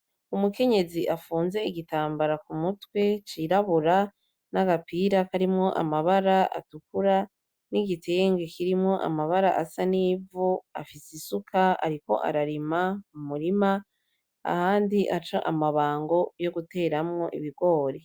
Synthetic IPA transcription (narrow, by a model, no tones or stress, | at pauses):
umuke̞ɲe̞ziʔafuːnze̞iɡitaːmbaɾakumutwe̞t͡ʃiɾaβuɾa | naɡapiːɾakaɾimŋo̞ʔa̰maβaɾaʔa̰tukuɾa | niɡitʰeŋɡekiɾimŋo̞ʔa̰maβaɾa̰ʔasaniːvua̰fisisukʰaa̰ɾiko̞̰ʔa̰ɾaɾimamumuɾima | a̰haːndiʔat͡ʃaʔamaβaːŋɡo̞jo̞ɡute̞ːɾamŋo̞ʔḭβiɡo̞ːɾe